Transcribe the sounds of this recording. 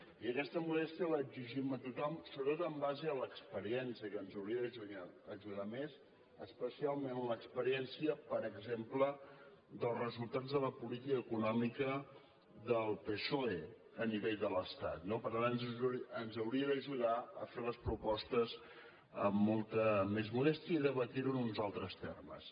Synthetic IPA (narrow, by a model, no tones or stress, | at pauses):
iəkɛst̪əmulɛst̪iələːɡziʒimət̪ut̪ɔmsoβɾət̪ot̪əmbazeələkspəɾiɛnsiəkənzəwɾiəðəʒaəʒuðamez | əspəsialˠmenələkspəɾiɛnsiəpəɾəɡzemplə | ðəlˠzrəzulˠt̪ad͡zðələpulit̪ikəːkunɔmikə | ðəlˠpesoe | əniβeʎðələst̪at̪nopəɾt̪anənzənzəwɾiəðəʒuðaəfeləspɾupɔst̪əz | ə̰mːɔlˠt̪əmezmulɛst̪iəiðəβət̪iɾuənunzalˠt̪ɾəst̪ḛrmə̰s